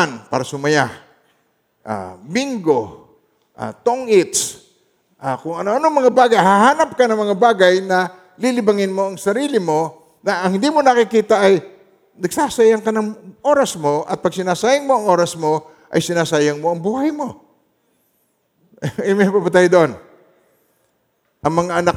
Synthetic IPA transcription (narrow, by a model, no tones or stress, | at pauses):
anpaːɾɐsʊmɐja | ʔa̰biŋɡo̞ | ʔa̰t̪oŋʔɪt̪s | ʔakʊŋɐnoʔɐnoŋmɐŋabaːɡajhaɦaːnɐp̚kanɐŋmɐŋabaːɡajnɐ | lilɪbaŋɪnmo̞ʔɐŋsɐɾiːlɪmo̞ | nɐʔɐŋhɪnd̪iːmonɐkɪkiːt̪aʔɐj | nɐɡsaːsajaŋkɐnɐŋʔo̞ːɾɐsmo̞ʔɐ̰t̪̚pɐɡ̚sɪnaːsajɐŋmo̞ʔɐŋʔo̞ːɾɐsmo̞ | ʔɐjsɪnaːsaːjɐŋmo̞ʔɐŋbuːhajmo̞ | mɛpapɐt̪ajd̪oʔon | ʔɐŋmɐŋaʔɐna